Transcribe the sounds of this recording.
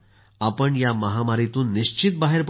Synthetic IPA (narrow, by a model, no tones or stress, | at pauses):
apəɳjaməɦamaɾit̪uːnːiɕt͡ɕit̪̚baɦeɾp